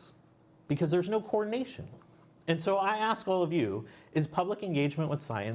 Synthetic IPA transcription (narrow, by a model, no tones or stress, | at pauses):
b̥ɨkʰʌzðə˞znoʊkʰoɔɹdⁿn̩eɪʃɨ̰̃n | ɨ̃nsoʊaɪæskɔlˠʌvjʉʔɨz̥pʰʌbləkɨ̃nɡeɪd͡ʒmɨ̃nʔwəð̥sa̰ɪɨ̃n